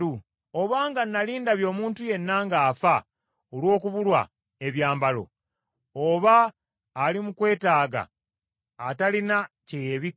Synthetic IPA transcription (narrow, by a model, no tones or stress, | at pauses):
u | o̞βaːŋɡanːaliːndaβjo̞ːmuːntuje̞nːaːŋɡaːfa | olwo̞ːkuβulwa̰ | e̞βjaːmbalo̞̰ | oβaː | limukwe̞ːtaːɡa̰ː | talina | cejeβi